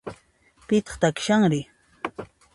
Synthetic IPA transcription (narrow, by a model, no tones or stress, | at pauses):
pɪt̪ɑ̥χt̪akʃaŋɾɪ